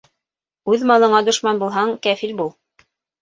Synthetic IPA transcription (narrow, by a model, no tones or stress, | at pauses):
ʉðmɑlˠɤ̆ɴɑd̪ŏʃmɑnbulˠɦɑɴkæfilbulˠ